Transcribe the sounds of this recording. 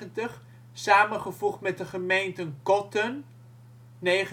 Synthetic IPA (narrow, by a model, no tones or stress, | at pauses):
əntəχ | saːmənχəvuχtmɛt̚dəχəmejntənkɔtənː | ejχ